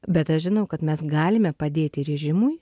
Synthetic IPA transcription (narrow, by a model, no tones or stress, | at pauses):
bʲɛt̪ɐʃʒʲɪnɐʊkɐt̪mʲɛsɡɑːlʲɪmʲɛpɐd̪ʲeːt̪ʲɪɾʲɛʒʲɪmʊj